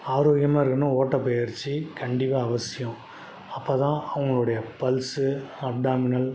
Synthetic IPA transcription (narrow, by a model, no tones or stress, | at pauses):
aːɾoːɡɪjɐmaːɪɾɯkːɐnõoːʈːɐpːeːjɐɾt͡ʃːɯkɐɳɖɪpːaːɐʋɐsɪjʊ̃ | ɐpːoːt̪ãːʔɐʋɐŋɡɐɭɯɽɐjɐpɐlsɯɐp̚ɖaːmɪnɐl